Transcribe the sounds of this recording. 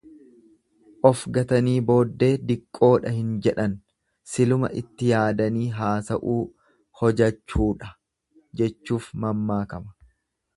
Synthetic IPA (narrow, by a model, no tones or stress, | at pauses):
ʔɔfɡɐt̪ɐniːbo̞ːd̪ːe̞ːd̪ɪkʼːo̞ːᶑɐhɪnd͡ʒɛᶑɐn | sɪlʊmɐ̰ʔɪt̪ːɪjaːd̪ɐniːɦaːsɐʔuː | hɔd͡ʒɐt͡ʃːuːᶑɐ | d͡ʒɛt͡ʃːuːfmɐmːaːkɐmɐ̥